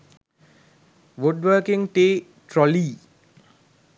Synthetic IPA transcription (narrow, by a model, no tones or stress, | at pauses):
ʋuɖʋəːkiŋʈeː | ʈɾɔliː